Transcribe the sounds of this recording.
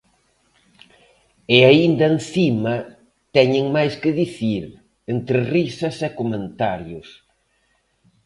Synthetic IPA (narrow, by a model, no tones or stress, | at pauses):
ɪaind̪ɐẽnθimɐ | t̪ɛɲɪŋmajskɪðiθiɾ | ent̪ɾɪrisɐsɛkomẽnt̪aɾjʊs